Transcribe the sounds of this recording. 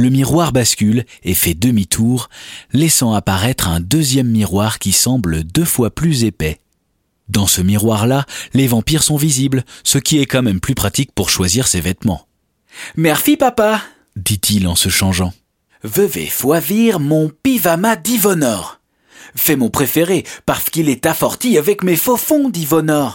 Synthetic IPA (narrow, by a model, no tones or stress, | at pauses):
ləmiʁwaʁbaskʲylefɛd̪əmit̪ʰuʁlɛsɑ̃apaʁɛt̪χɛ̃d̪øzjɛmːiʁwaʁkʲisɑ̃bləd̪əfwaplyzepɛ | d̪ɑ̃səmiʁwaʁlalevɑ̃piʁsɔ̃viziblsəkʲiɛkɑ̃mɛmplypχat̪ik̚puʁʃwaziʁsevɛt̪mɑ̰̃ | mɛʁfipapa | d̪it̪ʰilɑ̃səʃɑ̃ʒɑ̃ | vəvḛfwaviʁmɔ̃pivamad̪ivɔnɔʁ | fɛmɔ̃pχefeʁepaʁsə̥kilɛt̪afɔʁt̪iavɛkmefofɔ̃d̪ivɔnɔʁ